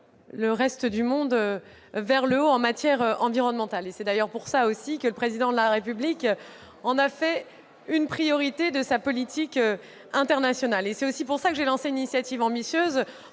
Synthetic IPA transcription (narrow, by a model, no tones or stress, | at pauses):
ləʁɛst̪əd̪ymɔ̃d̪ø | vɛʁləoɑ̃mat̪jɛʁøʔɑ̃viʁɔnmɑ̃t̪alesɛd̪ajœʁpuʁsaosikələpχezid̪ɑ̃d̪əlaʁepyblik | ɑ̃nafɛ | ynpχijɔʁit̪ed̪əsapɔlit̪ikø | ɛ̃t̪ɛʁnasjɔnalesɛt̪osipuʁsakəʒelɑ̃seynisjat̪ivɑ̃bisjøz